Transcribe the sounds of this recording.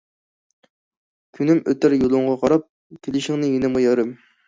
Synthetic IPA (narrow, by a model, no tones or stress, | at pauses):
kʲʰynymøt̪ɪɾjulˠʊɴʁɑqʰɑɾɑp̚ | kʲʰelɪʃɪŋnɪjinɪmujɑɾɨm